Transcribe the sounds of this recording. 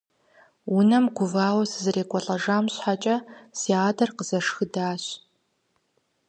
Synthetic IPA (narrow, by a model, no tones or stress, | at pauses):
wʊnɐmɡʷʊvaːwɐsɨzɨreːkʷʼɔɬʼɐʒaːmɕħat͡ʃʼɐsiaːdɐrqəz̥ɐʂxɨdaːɕ